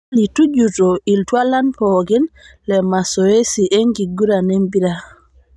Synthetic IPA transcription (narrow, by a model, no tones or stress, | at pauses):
litud͡ʒutɔiltwalanpɔɡɛn | lɛmasɔwesiʔeŋɡiɡuɾanembiɾa